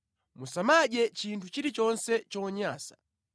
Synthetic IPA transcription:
musamaʄɛt͡ʃintʰut͡ʃiɾit͡ʃɔnsɛt͡ʃɔɲaːsḁ̰

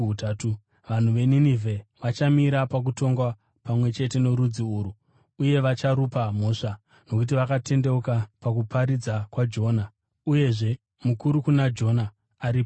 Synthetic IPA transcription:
utatu | ʋan̤uʋe̞ninivʱe̞ʋat͡ʃamiɾapak̬uto̞ŋɡwa | pamwe̞t͡ʃe̞te̞no̞ɾud͡ziuːɾu | uje̞ʋat͡ʃaɾupamo̞ʂa | no̞k̬ut̬iʋakate̞nde̞ukapak̬upaɾid͡zakwad͡ʒo̞ːna | uje̞ʐe̞ | mukuɾukunad͡ʒo̞naː | ɾiːpo

